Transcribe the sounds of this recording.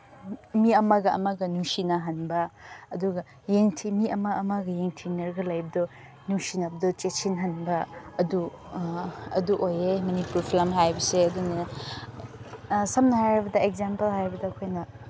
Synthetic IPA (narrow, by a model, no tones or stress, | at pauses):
miɐmɐɡɐɐ̰mɐɡɐnusinɐɦɐnbɐɐduɡɐ | jeŋtʰimiɐmɐɐmɐɡɐjeŋtʰinɐɾɡɐlɐjbɐdɔ | nusinɐbɐdɔt͡ʃesʰinɦɐnbɐɐdu | ɐ̰duʔojemɐnipuɾpʰilɐmɦajbɐseɐdunɐ | sɐmnɐhajɾibɐdɐek̚zampɐlɦajɾibɐdɐːkʰojnɐ